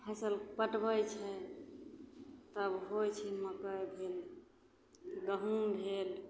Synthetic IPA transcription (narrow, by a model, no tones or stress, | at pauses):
pʰəsəlpəʈbəjt͡ʃʰɛ | t̪əbɦojt͡ʃʰiməkəjbʱel | ɡəɦunbʱel